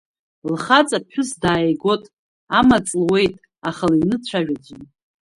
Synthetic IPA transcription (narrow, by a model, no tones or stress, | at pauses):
lχat͡sʼapʰħᶣʊsdaːjeɡo̞tʼ | amat͡sʼlwe̞jtʼ | aχalainɨt͡ɕʷʰaʒᶣad͡zʷɨn